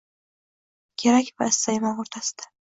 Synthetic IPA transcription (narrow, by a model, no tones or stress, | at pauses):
kʲʰe̞ɾakʲvaɪsːajɪmanoɾt̪ʰasɪ̥d̪̥ḁ